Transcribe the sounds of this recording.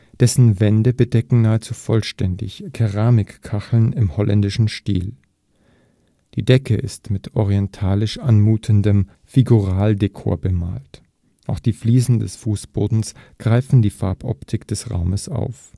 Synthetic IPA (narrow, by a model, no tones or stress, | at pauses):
d̥ɛsn̩vɛndəbədɛkŋ̩naːət͡suːfɔlʃtɛndɪ̰çkʰɛʁaːmɪkkʰːaxl̩nɪmhɔlʔɛ̰ndɪʃn̩ʃtḭːl | d̥iːdɛkʰəʔɪ̰stmɪtʔɔʁiɛntʰaːlɪʃʔanmuːtʰəndəm | fiɡuʁaːldekʰo̰ːɐbəma̰ːlt | ʔaʊxd̥iːfliːzn̩dɛsfuːsb̥oːdn̩sɡ̥ʁaɪfn̩diːfaɐpʰʔɔ̰ptʰɪkd̥ɛsʁa̰ʊməsʔa̰ʊf